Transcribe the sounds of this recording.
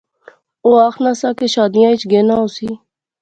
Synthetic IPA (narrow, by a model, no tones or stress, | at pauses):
oːaːxʰnãːsãːkeːʃaːd̪ɪjãːɪt͡ʃɡeːnãːoːsiː